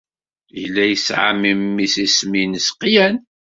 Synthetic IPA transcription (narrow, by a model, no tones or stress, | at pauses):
jəlːæjəsʕa̰mimːisisminəsqːjæn